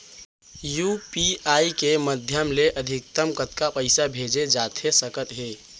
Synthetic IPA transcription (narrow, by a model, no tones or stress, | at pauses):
jupiaːikeməd̪ʱjəmleʔəd̪ʱɪk̚t̪əmkət̪kapəɪsabʱeːd͡ʒed͡ʒaːt̪ʰesəkət̪ɦeː